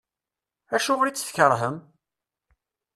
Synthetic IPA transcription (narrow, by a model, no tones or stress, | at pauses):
æʃʊʁɾit͡sːθçəɾˤɦəm